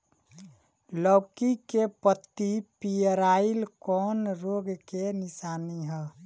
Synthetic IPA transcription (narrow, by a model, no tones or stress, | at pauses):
lɔːkikepət̪ːipijəɾailkɔnɾoɡkenisaːniɦɛ